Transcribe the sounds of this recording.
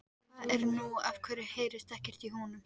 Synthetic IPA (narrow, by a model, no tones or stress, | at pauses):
ɛɾnuafkʰvɛːɾɪheːjɾɪst̪ɛhcɪr̥t̪iɦɔːnʏm